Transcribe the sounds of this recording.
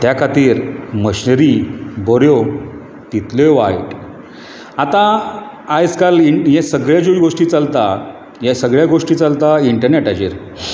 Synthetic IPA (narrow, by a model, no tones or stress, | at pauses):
t̪jakʰat̪iːɾməɕnəɾiboɾjo | t̪it̪leʋajʈ | at̪ã | ajd͡zkalijẽsəɡɭjad͡ʑuɡoʂʈiːt͡salt̪a | jẽsəɡɭjaɡoʂʈiːt͡salt̪aiɳʈəɾneʈad͡ʑḭɾ